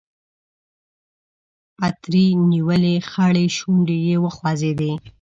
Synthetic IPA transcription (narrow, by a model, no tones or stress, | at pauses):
pat̪ɾiniwəlexaɽeʃuɳɖejewəxwɑzed̪e